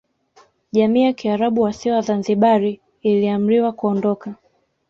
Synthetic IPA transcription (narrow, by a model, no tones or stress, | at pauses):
ʄamiːjakiaɾaɓuwasiɔwazanziɓaɾiː | liam̩ɾiwakuɔndɔka